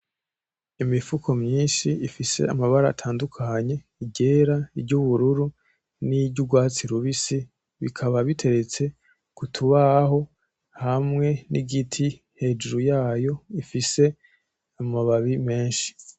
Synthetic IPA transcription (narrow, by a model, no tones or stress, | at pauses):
imifukʰo̞mɲiːnʃiifise̞̰amaβaɾaːtʰaːndukʰaɲe̞ | iɟe̞ɾaibɟuβuɾuɾu | niɟuɡwaːt͡siɾuβisi | βikʰaβaβitʰe̞ɾe̞t͡se̞ | kutʰuβaho̞ | hamŋe̞niɡitʰi | he̞d͡ʒuɾujaːjo̞ifise̞ | amaβaβime̞ːnʃi̥